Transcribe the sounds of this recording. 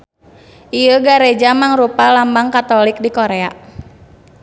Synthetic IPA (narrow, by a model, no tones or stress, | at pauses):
ʔijəɡaɾed͡ʒamaŋɾupalambaŋkat̪ɔlik̚dikɔɾɛa